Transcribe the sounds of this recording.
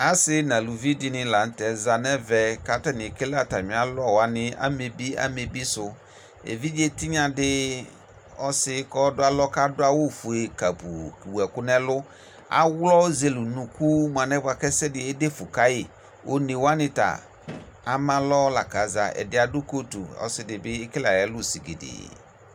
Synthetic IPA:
a˦sɪ˦nã˨lu˨vi˦dɪ˦nɪ̃˨la˨n̩˦tɛ˨za˨nɛ˦vɛ˨ka˨ta˦˨n˨ke˦la˦ta˨ɲĩ˨˦a˨˦lɔ˦˨wa˨˦nɪ̃˦a̰˦me˨bi˦a̰˦me˨bi˦sʊ˦ | ḛ˨vi˦d͡ʒe˦tɪ˦ɲã˨dɪ˦ | ɔ̰˦sɪ˦kɔ˦dʊ˦a˦lɔ˦ka˦dʊ˦a˦wʊ˦˨fu˨e˨ka˨pu˨wu˨ɛ˨kʊ˦nɛ̃˦lʊ˦ | a̰˦wlɔ˦ze˨lu˨nũ˨ku˦m˨a˨nɛ˦ba˨kɛ˦sɛ˦dɪ˨e˦de˦fʊ˨ka˦jɪ˨ | o˦ne˨wa˦nɪ̃˦ta̰˨ | a˨mã˦lɔ˦la̰˨ka˨˦za˨ɛ̰˨dɪ˦a˨dʊ˦ko˦tṵ˨ɔ̰˦sɪ˨dɪ˨bɪ˦e˦ke˦la˨jɛ˨˦lʊ˦˨si˨ɡḛ˨dɪ̰˨

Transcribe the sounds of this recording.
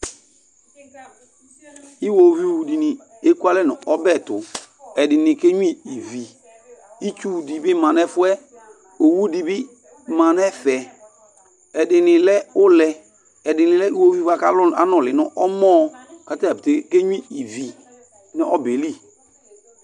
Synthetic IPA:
i˦wo˨vi˦˨wu˨di˨nɪ̃˨ | e˦ku˦a˦lɛ˦˨nɔ̃˨ɔ˦bɛ˦˨tʊ˨ɛ˨dɪ˨nɪ̃˨ke˦ɲu˦ĩ˦˨i˨vi˨ | i˦t͡ʃu˦˨di˨bɪ˦mã˨nɛ˦fʊ˦ɛ˦ | o˨wu˦di˨bɪ˦ | mã˨nɛ˦fɛ˨ | ɛ˨dɪ˨nɪ̃˨lɛ˦ʊ˦lɛ˦ | ɛ˨dɪ˨nɪ̃˨lɛ˦i˦wo˦vi˦va˨ka˦lʊ˦a˦nɔ̃˨lɪ˨nɔ̃˦ʔɔ˦mɔ˦ka˦ta˦˨i˨te˨ke˦ɲ˦ĩ˦i˨vi˨ | nɪ˦ʔɔ˦be˨li˦

